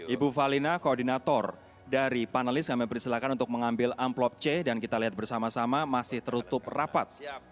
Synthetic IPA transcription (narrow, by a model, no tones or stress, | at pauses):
ʔibufalinakoːrdinat̪ɔr | daɾipanalɪskamɛpəɾist̪ilakanunt̪ʊk̚məŋambɪlamplɔp̚t͡ʃɛdankit̪aliɦat̪̚bərsamasamamasɪht̪əɾut̪ʊp̚rapat̪̚